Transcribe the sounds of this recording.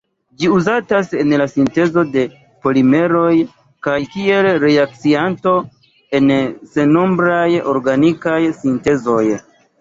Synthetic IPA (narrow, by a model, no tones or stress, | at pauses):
d͡ʒiuzatase̞nlasinte̞zo̞de̞ | po̞lime̞ɾo̞j | kajkie̞lɾeak̚t͡sianto̞ | e̞nse̞no̞mbɾajo̞̰ɾɡanikajsinte̞zo̞j